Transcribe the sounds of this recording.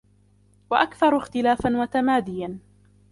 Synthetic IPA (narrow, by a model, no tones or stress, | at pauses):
waʔakθɑɾˤʊɪxt̪ɪlaːfanwat̪amaːd̪ɪjan